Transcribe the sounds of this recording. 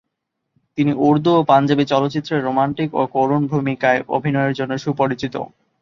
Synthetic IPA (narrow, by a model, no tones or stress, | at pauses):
t̪iniʔuɾd̪ʱuopand͡ʑabit͡ɕɔlot̪ːɕit̪ːɾeɾːomaɳʈiko̰koɾunbʱumikaeʔo̰bʱinɔeeɾd͡ʑonːoʃupoɾit͡ɕit̪o̰